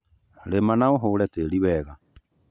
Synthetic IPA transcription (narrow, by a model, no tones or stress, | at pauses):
ɾemanaoɦoːɾɛteɾiwɛːɣa